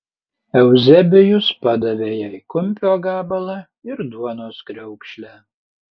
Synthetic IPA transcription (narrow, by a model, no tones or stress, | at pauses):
ɛwzʲɛbʲɪjʊspad̪ɐvʲeːjakʊmʲpʲoːɡaːbɐlˠɐ | ɪɾd̪uɔnoːskɾʲɛʊkʃʲlʲæː